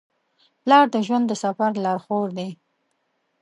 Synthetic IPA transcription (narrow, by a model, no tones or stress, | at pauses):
plɑɾd̪əʒwand̪əsafaɾlɑɾxoɾd̪e